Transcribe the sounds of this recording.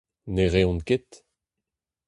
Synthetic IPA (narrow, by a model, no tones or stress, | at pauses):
neʁeɔ̃nket̪